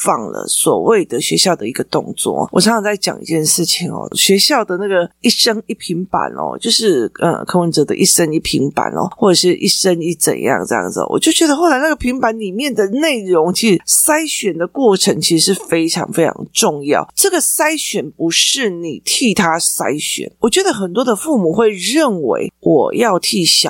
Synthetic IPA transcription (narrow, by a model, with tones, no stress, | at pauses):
fɑ˥˩ŋlə̰˨˩swɔ̰˨˩we˥˩ɪd̪ə˨ɕɥɛ˧˥ɕjɑ˥˩ʊd̪ə˨i˧˥ɡə˧t̪ʊ˥˧ŋt͡swɔ̰˥˩˨wɔ˨˩ʂʰɑ˧˥ŋʰɑ˧ŋt͡sa˥˩ɪt͡ɕjɑ̰˨˩ŋḭ˧˥t͡ɕjɛ˥˧nʂɻ̩˥˩t͡ɕʰi˨˩ŋɔ̰˨˩ɕɥɛ˧˥ɕjɑ˥˩ʊd̪ə˩na˥˩ɡə˩i˥˩ʂə˥ŋi˥˩pʰi˧˥ŋpa̰˨˩nʔɔ̰˨˩t͡ɕjo˥˧ʊʂɻ̩˥˩ʔə̰˩kʰɤ˥wə˧˦nʈ͡ʂə˧˦d̪ə̰˧ʔi˥˩ʂə˦ŋi˥˩pʰi˧˥ŋpa̰˨˩nɔ̰˨˦xwɔ˥˩ʈ͡ʂɤ˨˩ʂɻ̩˥˩ʔḭ˥˩ʂə˥ŋi˥˩t͡sə̰˨˩njɑ̰˥˧ŋʈ͡ʂə˥˧jɑ̰˥˩ŋd͡z̩̰˨˩˨wɔ̰˨˩t͡ɕjo˥˩ʊt͡ɕɥɛ˧˥d̪ə˧xo˥˩ʊla˧˦ɪna˥˩ɡə˩pʰi˧˥ŋpa˧˥nli˨˩mjɛ˥˩nd̪ə˨ne˥˩ɪɻʊ˧˥ŋt͡ɕʰi˧˥ʂɻ̩˧˥sa˥ɪɕɥɛ˨˩nd̪ə˨kwɔ˥˩ʈ͡ʂʰɤ˧˥ŋt͡ɕʰi˧˥ʂɻ̩˧˥ʂɻ̩˥˩fe˥ɪʈ͡ʂʰɑ̰˧˥ŋfe˥ɪʈ͡ʂʰɑ̰˧˥ŋʈ͡ʂʊ˥˧ŋjɑ̰˥˩ʊʈ͡ʂɤ˥˩ɡə˩sa˥ɪɕɥɛ˨˩npu˧˦˥ʂɻ̩˥˩ni˨˩t̪ʰi˥˩t̪ʰa˥sa˥ɪɕɥɛ̰˨˩nwɔ˨˩t͡ɕɥɛ˧˥d̪ə˧˨xə˨˩nt̪wɔ˥d̪ə˨fu˥˩mu˨˩xwe˥˧ɪɻə˥˩nwḛ˧˥ɪwʔɔ˨˩jɑ˥˧ʊt̪ʰi˥˩ɕjɑ̰˨˩